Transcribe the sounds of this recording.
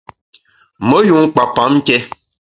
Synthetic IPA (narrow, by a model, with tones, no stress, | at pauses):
mə˦ju˨˦ŋ˦k͡pa˨pa˨˦m̩˦kɛ˦